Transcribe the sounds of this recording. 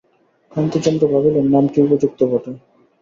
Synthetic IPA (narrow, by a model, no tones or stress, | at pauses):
kant̪id͡ʑɔnd̪ɾobʱabelenːamkiupod͡ʑuk̚t̪obɔʈo